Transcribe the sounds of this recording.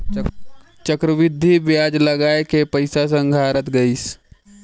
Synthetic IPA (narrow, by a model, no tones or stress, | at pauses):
t͡ʃəkɾəʋɪd̪ʱːibjaːd͡ʒləɡaːekepəɪsas̬ə̃ŋɡʱaːɾət̪ɡəis